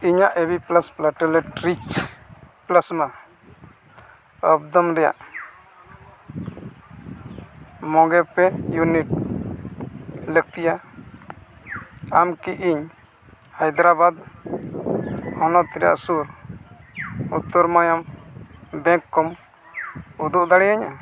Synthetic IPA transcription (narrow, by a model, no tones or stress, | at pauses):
iɲaʔebiplasplaʈɔlɛʈɾit͡ʃ | pləsma | əbd̪ɔmɾɛja̰ʔ | mɔɡɛpɛjuniʈ̚ | lək̚t̪ija | amkiʔiɲ | hajd̪ɾabad̪ | hɔnɔt̪iɾa̰ʔsuɾ | ut̪ːɔɾmajam | bɛ̃ŋkːɔm | ud̪uʔd̪aɽɛjaɲa